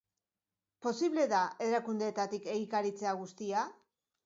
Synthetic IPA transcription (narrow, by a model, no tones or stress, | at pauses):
po̞siβle̞ðae̞ɾakund̪e̞ːt̪at̪ike̞ɣikaɾit͡se̞aɣ̞ust̪ia